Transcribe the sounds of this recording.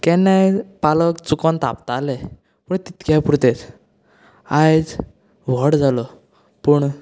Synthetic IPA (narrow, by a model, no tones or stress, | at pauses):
kɛnajpaləkt͡sukɔnt̪a̰pt̪ale | pəɳt̪it̪kjapuɾt̪et͡s | ajd͡z | ʋɔɽd͡zalɔ | puɳ